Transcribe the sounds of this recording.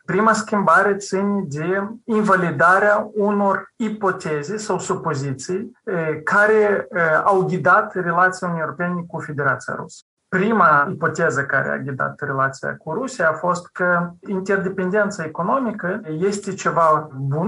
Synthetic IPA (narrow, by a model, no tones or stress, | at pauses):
pɾimaskʲimbaɾe̞t̪sinʲed̪einvalid̪aɾeauno̞ripo̞t̪ezesawsupo̞zit̪sijkaɾe̞awɡʲid̪at̪re̞lat̪sijaunnijoɾopenʲekufe̞d̪e̞ɾat̪sija̰ɾṵsə̥ | pɾimaipo̞t̪ezəka̰ɾḛa̰ɡʲid̪a̰t̪re̞lat̪sija̰kuɾusijaːfo̞st̪kəint̪e̞rd̪e̞pe̞nd̪e̞nt̪saeko̞no̞mikəje̞st̪et͡ʃe̞vabun